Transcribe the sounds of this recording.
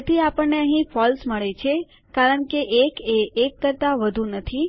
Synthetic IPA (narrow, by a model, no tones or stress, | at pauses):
t̪ʰiapəɳːeəɦĩfɔlsməɭet͡ʃʰe | kaɾəɳkeʔekeekːəɾt̪aʋəd̪ʱũnət̪ʰi